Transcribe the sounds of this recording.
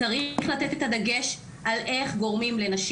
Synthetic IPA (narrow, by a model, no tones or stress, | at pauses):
aʁiχlat̪et̪et̪ad̪aɡe̞ʃ | ʔalʔe̞χɡo̞ʁmimle̞naʃ